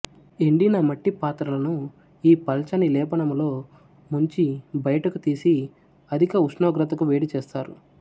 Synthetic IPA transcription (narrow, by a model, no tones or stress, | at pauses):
eɳɖinɐmɐʈːipaːt̪ɾɐlɐnu | iːpɐlt͡ʃɐnilɛːpɐnɐmlo̞ː | muɲt͡ʃibɐjɐʈɐkut̪iːsi | ɐd̪ʱikɐusnoːɡɾɐt̪ɐkuʋe̞ːɽit͡ʃeːst̪aːɾu